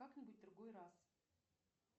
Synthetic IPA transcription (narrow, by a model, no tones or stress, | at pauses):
aknʲɪbut̚ʲd̪ɾuɡojras